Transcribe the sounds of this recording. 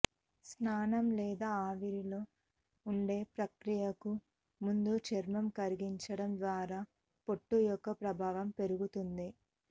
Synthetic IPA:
snaːnɐmlɛːd̪aːaːʋiɾiloː | uɳɖe̞ːpɾɐkɾijɐku | mund̪ut͡ʃeɾmɐmkɐɾiɡiɲt͡ʃɐɽɐmd̪ʋaːɾaː | poʈːujɔkːɐpɾɐbʱaːʋɐmpe̞ɾuɡut̪und̪i

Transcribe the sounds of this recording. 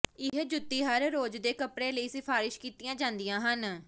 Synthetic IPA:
ɪɦd͡ʒʊt̪ːiːɦəɾːoːd͡ʒd̪eːkəpɽeːləiːsɪpʰaːɾɪʃkiːt̪ɪjãːd͡ʒãːnd̪ijãːɦən

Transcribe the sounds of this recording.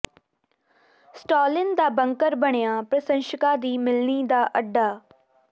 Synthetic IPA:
sʈaːlɪnd̪aːbə̃ŋkəɾbəɽ̃ejaːpɾəsə̃nʃəkãːd̪iːmɪlɳiːd̪aːʔəɖːaː

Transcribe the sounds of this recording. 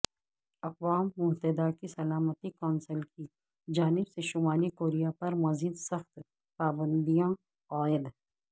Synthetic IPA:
ɐqwaːmːʊɦt̪əd̪akisɐlaːmət̪ikɔːnsəlki | d͡ʒaːnɪbseʃʊmaːlikoːɾijapɐɾmɐziːd̪sɐxt̪ | paːbə̃nd̪ijã | qaːɪd̪

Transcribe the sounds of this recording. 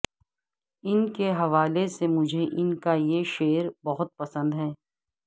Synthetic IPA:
ɪnkeɦɐʋaːlesemʊd͡ʒʱeʔɪnkajeʃeːɾbɐɦʊt̪̚pɐsə̃nd̪ɦɛː

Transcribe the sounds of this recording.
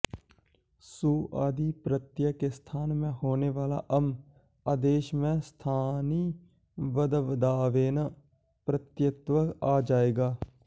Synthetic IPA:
suːaːd̪ipɾət̪jəkest̪ʰaːnmẽhoːneʋaːla̰ʔəm | aːd̪eːʃmẽst̪ʰaːniː | ʋəd̪əʋd̪aːʋeːna | pɾət̪jət̪ʋəaːd͡ʒaːeːɡaː

